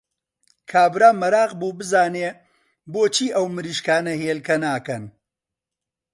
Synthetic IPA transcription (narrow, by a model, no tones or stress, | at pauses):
kʰaːbɾaːmɐɾaːqbuːbɨzaːneː | boːt͡ʃʰiːʔɐwmɨɾiːʃkaːnɐɦeːlkɐnaːkɐn